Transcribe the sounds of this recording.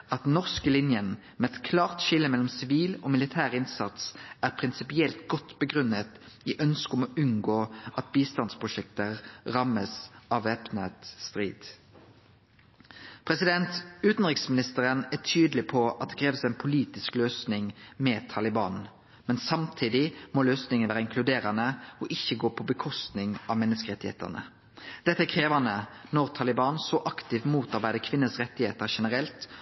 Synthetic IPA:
ɑt̪nɔʁskəlɪnjən | mɛɛt̪kʰlɑːʁt̪ʃɪlːəmɛlɔmsɪʋiːloːmɪlɪt̪ʰæːʁɪnsɑt̪sæːʁpʰʁɪnsɪpɪɛlt̪ɡɔt̪ːbəɡʁʉnːət̪iːʔœnskɔmoːʔʉnɡoːɑt̪̚biːst̪ɑnspʰʁʊʃɛkt̪əʁɑməsɑʋɛpnət̪st̪ʁiːd̪̥ | pʰʁɛsɪd̪ɛnt̪ʉːt̪n̩ʁɪksmɪnɪst̪əʁənæʈʰyːd̪lɪpʰɔɑt̪̚d̪ɛkʰʁeːʋəsæɪnpʰʊliːt̪ɪskløːsnɪŋmɛt̪ʰɑlɪbɑːn | mɛnsɑmt̪ʰiːd̪ɪmɔløːsnɪŋənʋæːʁəɪŋkʰlʉd̪eːʁənəɔʔɪçːəɡoːpʰɔbəkʰɔst̪nɪŋʔɑ̰ʋmɛnːəskəʁɛt̪ːɪhḛːt̪ə̰ʁnə̰ | d̪̥ɛt̪əækʰʁeːʋɑnənɔʁt̪ʰɑlɪbɑːnsɔʔɑkt̪ɪʋmuːt̪ɑʁbæɪd̪əkʰʋɪnːəsʁɛt̪ːɪheːt̪əʁʃɛnəʁɛlt̪

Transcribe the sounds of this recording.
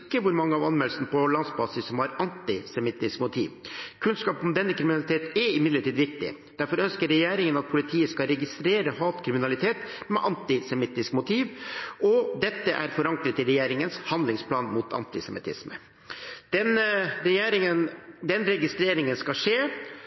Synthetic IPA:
kːəʋʊɾmɑŋːəɑʋɑnmɛlsn̩pɔlɑnsbɑːsɪsːɔmhɑɾɑnt̪ɪsɛmɪt̪ːɪskmʊt̪ʰḭːʋkʰʉnskɑːpɔmd̪ɛnːəkʰɾɪmɪnɑlɪt̪ʰeːt̪ɛɾɪmɪd̪ləʈʰiːd̪ʋɪk̚t̪ɪ̰ | d̪̥æɾfɔɾœnskəɾːɛjeːɾɪŋənɑt̪̚pʰʊlɪt̪ʰiːəskɑɾɛɡɪst̪ɾeːɾəhɑːt̪kʰɾɪmɪnɑlɪt̪ʰeːt̪mɛʔɑnt̪ɪsɛmɪt̪ːɪskmʊt̪ʰiːʋʔɔd̪ɛt̪ːəʔæ̰ɾfɔɾɑŋkɾət̪ɪlɾɛjeːɾɪŋənshɑnd̪lɪŋspʰlɑːnmʊt̪ʰɑ̰nt̪ɪsɛmɪt̪ʰɪ̰smə | d̪̥ɛnɾɛjeːɾɪŋənd̪ɛnɾɛɡɪst̪ɾeːɾɪŋənskɑʂeː

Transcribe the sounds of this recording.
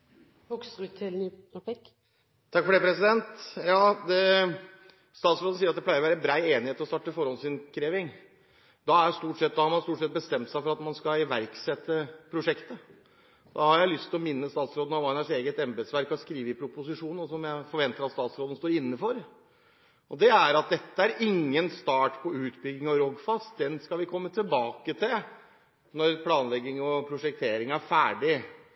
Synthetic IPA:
hɔksɾʉt̪ʰɛlnɪk | t̪ʰɑkːfɔɖɛːpʰɾɛsɪd̪ɛnt̪jɑːd̪ɛ | st̪ɑːt̪sɾoːd̪ən̩siːɾɑt̪d̪ɛpʰlæɪɾʋæːɾəbɾæɪeːnɪheːt̪lɔst̪ɑʈːəfɔɾɔnsɪnkʰɾeːʋɪŋ | d̪ɑæjst̪uːʈsɛt̪̚d̪ɑhɑɾmɑnst̪uːʈʂɛt̪̚bəst̪ɛmt̪sæɪfɔɾɑt̪mɑnskɑɪʋæɾksɛt̪ːəpʰɾʊʂɛkt̪ə | d̪ɑ̰hɑɾjæɪlʏst̪ʰɪlɔmɪnːəst̪ɑːt̪sɾoːd̪ənɑʋɑnəʂeːɡət̪ɛmbəd̪sʋæɾkɔskɾiːʋəɪpʰɾʊpʊsɪʂuːnɔsɔmjæɪfɔɾʋɛnt̪əɾɑt̪st̪ɑːt̪sɾoːd̪n̩st̪oːɾɪnːəfɔɾ | ɔd̪ɛæɾɑt̪̚d̪ɛt̪ːəæɾɪŋːənst̪ɑːʈpʰɔʉːt̪bʏɡɪŋɔɾɔɡfɑst̪̚d̪ɛnskɑʋɪkʰɔmːət̪ʰɪlbɑːkət̪ʰɪl | nɔɾpʰlɑːnlɛɡːɪŋɔpʰɾʊʂɛk̚t̪ʰeːɾɪŋæɾfæːɖɪ

